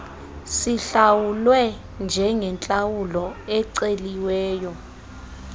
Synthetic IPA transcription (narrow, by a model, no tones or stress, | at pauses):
siɬawulwɛ | nd͡ʒʱɛŋʱɛnt͡ɬʼawulɔɛǀeliwɛːjɔ